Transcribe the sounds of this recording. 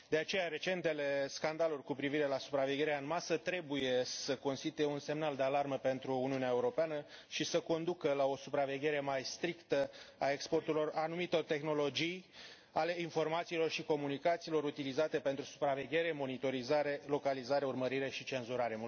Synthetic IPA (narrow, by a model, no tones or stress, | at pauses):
d̪e̞at͡ʃe̞jaɾe̞t͡ʃe̞nt̪e̞le̞skand̪alurʲkupɾiviɾe̞lasupɾave̞ɡʲe̞ɾeaɨnmasət̪ɾe̞buje̞səko̞nst̪it̪uje̞unse̞mnald̪e̞alarməpe̞nt̪ɾuːniuneaeuɾo̞peanəʃisəko̞nd̪ukəlao̞supɾave̞ɡʲe̞ɾe̞majst̪ɾikt̪əae̞kspo̞rt̪ulo̞ranumit̪o̞rt̪e̞xno̞lo̞d͡ʒij | ale̞info̞rmat̪siːlo̞rʃiko̞munikat̪siːlo̞ɾut̪ilizat̪e̞pe̞nt̪ɾusu̥pɾave̞ɡʲe̞ɾe̞mo̞nit̪o̞ɾizaɾe̞lo̞kalizaɾe̞urməɾiɾe̞ʃit͡ʃe̞nzuɾaɾe̞m